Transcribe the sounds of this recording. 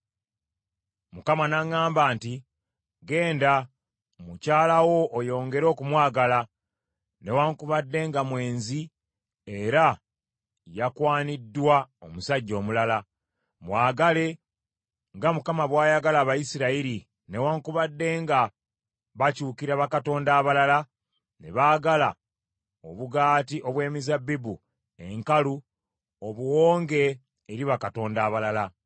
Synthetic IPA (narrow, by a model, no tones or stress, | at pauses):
mukamanaŋaːmbaːnti | ɡe̞ːnda | mucaːlawo̞ːjo̞ːŋɡe̞ɾo̞ːkumwaːɡala | ne̞waŋkuβadːe̞ŋɡamwe̞ːnzi | eɾa | jakwaːnidːwaomusaɟːo̞ːmulala | mwaːɡale̞ | ŋɡamukamaβwaːjaɡalaːβajisiɾaiɾi | ne̞waːŋkuβadːe̞ːŋɡa | βacuːkiɾaβakato̞ːndaːβalala | ne̞̰βaːɡala̰ | o̞βuɡaːtiʔo̞βwe̞ːmizabibu | e̞ŋkalu | oβuwo̞ːŋɡe̞ː | ɾiβakato̞ːndaːβalala